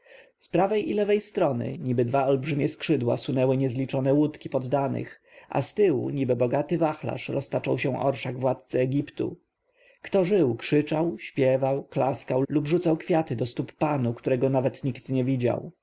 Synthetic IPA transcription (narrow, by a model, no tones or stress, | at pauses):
spɾavɛjʔilɛvɛjst̪ɾɔnɘ̰ɲibɘd̪vaɔlbʐɘmʲjɛskʂɘd̪wa̰sunɛwɘɲɛzlʲit͡ʂɔnɛwut̪kʲipɔd̪ːanɘ̰x | ʔa̰st̪ɘwṵɲibɘbɔɡat̪ɘvaxla̰ʂɾɔst̪at͡ʂɔwɕɛ̃ʔɔ̰ɾʂaɡvwat̪̚t̪sɛɛɡʲipt̪ṵ | kt̪ɔʐɘwkʂɘt͡ʂawɕpʲjɛvawklaskawlubʐut̪sawkfʲjat̪ɘd̪ɔst̪upːanukt̪uɾɛɡɔnavɛt̪ɲikt̪ɲɛvʲid͡ʑa̰w